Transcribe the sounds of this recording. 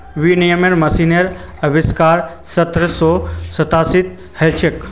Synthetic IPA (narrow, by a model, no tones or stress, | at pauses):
ʋinijəmeɾmɐsineɾ | ɐbiskaːɾ | sɐt̪ɾəsɔːsɐt̪aːsit̪̚ | helt͡ʃek